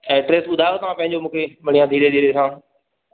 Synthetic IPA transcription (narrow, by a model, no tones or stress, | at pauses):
ɛːʈɾeːsʊd̪ʱaːjot̪ɐʋ̤ãpɐ̃ɦɪ̃ɲd͡ʑomũːkʰemɐɽ̤̃ijãd̪ʱiːɾed̪ʱiːɾesãː